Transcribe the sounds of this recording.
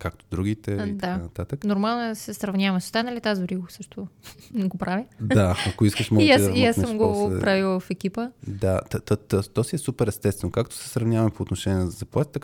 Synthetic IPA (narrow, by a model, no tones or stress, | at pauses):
kakt̪o̥d̪ɾuɡʲit̪ɛd̪anɐt̪at̪əknoɾmalˠnoɛsɛsɾɐvnʲavɐso̥st̪anɐlit̪azoɾiɡsɤʃt̪oɡopɾavid̪aɐkoiskəʃmɔasiasmɡopɾaviwˠvɐfɛk̟ipəd̪at̪t̪t̪ɔt̪ɔsiɛsupɛɾɛst̪ɛst̪vɛnokak̚t̪o̥sɛ̥sɾɐvnʲavɐmpoːt̪noʃɛnʲɛnzɐzɐplˠat̪i̥t̪ə